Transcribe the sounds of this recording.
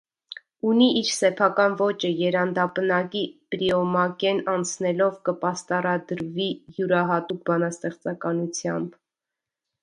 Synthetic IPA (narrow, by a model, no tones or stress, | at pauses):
uniʔiɾsɛpʰɑkɑnvɔt͡ʃəjɛɾɑnd̪ɑpənɑkipɾiɔmɑkɛnɑnt͡sʰnɛlɔvkəpɑst̪ɑɾɑd̪əɾvijuɾɑɦɑt̪uk̚ʰbɑnɑst̪ɛχt͡sɑkɑnut͡sʰjɑmb